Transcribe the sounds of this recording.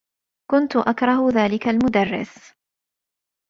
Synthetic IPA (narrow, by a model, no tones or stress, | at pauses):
kʊnt̪ʊʔakɾˤɑɦʊðaːlɪkalmʊd̪arːɪ̰s